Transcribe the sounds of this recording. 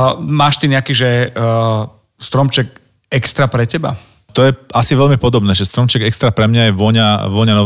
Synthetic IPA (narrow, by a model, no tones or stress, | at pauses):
maːʃt̪iɲɛakiːʒɛ | st̪ɾɔmt͡ʃɛk̚ | ɛkst̪ɾapɾɛcɛba̰ | t̪ɔjɛasiʋɛʎmipɔd̪ɔbnɛːʒɛst̪ɾɔmt͡ʃɛɡɛkst̪ɾapɾɛmɲajɛʋɔɲaʋɔɲanɔ